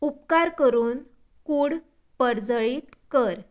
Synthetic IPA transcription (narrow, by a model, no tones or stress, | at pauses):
up̚kaɾkəɾuːn | kuːɽ | pəɾd͡zəɭiːt̪kəɾ